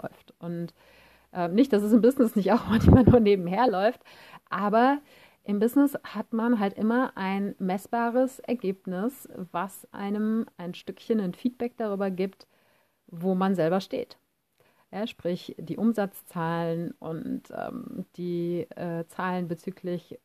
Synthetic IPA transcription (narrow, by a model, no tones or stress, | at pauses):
lɔ̰ʏftʔʊnt | ʔɛːmnɪçt̚d̥as̬ɛs̬ɪmbɪznɪsnɪçtaʊxmançmanuːɐneːbm̩heːɐlɔʏft | ʔaːbɐ | ʔɪmbɪznɪshatmanɦaltʔɪmɐʔaɪnmɛsb̥aːʁəsʔɛ̰ɐɡeːp̚nɪsvasʔa̰ɪnəmʔaɪnʃtʏkçənanfiːt̚b̥ɛk̚d̥aʁyːbɐɡiːpt | voːmanzɛlbɐʃtḛːt | jaːʃpʁ̥ɪçd̥iːʔʊmzat͡st͡saːlənʔʊ̰ntʔɛ̰ːmd̥iːʔɛːt͡saːlənbət͡syːkʰlɪç